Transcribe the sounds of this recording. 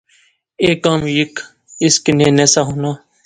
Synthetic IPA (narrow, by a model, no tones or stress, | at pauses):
eːkãːmjɪk | ɪskneːneːsaːɦoːnaː